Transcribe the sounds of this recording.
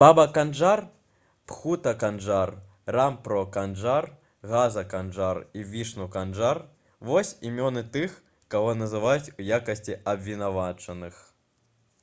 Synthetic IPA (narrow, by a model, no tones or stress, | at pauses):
b̥abɐkanʐar | pxut̪ɐkanʐar | rampɾɔkanʐar | ɣazɐkanʐarivʲiʂnukanʐar | vɔsʲimʲɔnɨt̪ɨx | kaɣɔnɐzɨvajut͡sʲujakɐsʲt͡sʲiɐbʲvʲinavat͡ʂɐnɨx